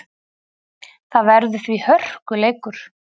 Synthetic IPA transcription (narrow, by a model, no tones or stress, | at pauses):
θaðvɛɾðʏθvihœr̥kʏleːjkʏɾ̥